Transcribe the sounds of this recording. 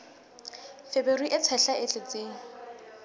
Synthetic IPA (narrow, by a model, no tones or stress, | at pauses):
feberiʔɪt͡sʰɛɬaʔɪt͡ɬʼet͡sʼeːŋ̩